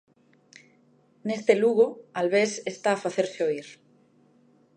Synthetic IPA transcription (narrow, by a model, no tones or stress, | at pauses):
nest̪eluɣoalβesest̪aːfaθeɾseoiɾ